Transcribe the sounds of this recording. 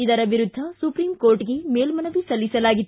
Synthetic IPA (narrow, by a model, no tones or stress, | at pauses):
id̪ɐɾɐʋʱiɾud̪ʱːɐsupɾiːmkoːɾʈiɡe̞meːlmɐnɐʋisɐlːisɐlaːɡit̪ː